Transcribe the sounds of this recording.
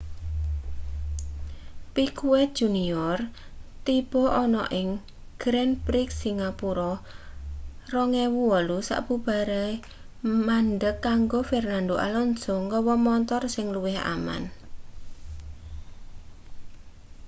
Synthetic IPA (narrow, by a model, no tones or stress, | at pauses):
pikuwɛt̪̚d̥ʒ̥uniɔrt̪ib̥ɔʔɔnɔ̰ʔɪŋ | ɡ̥ɾɛnpɾɪksiŋapuɾɔ | rɔŋɛwuɔlusa̰ʔb̥ub̥a̤ɾa | manɖəkːaŋɡofɛrnandoʔa̰lɔnsɔŋkɔwɔmɔnt̪ɔrsɪŋluwɪha̰ma̰n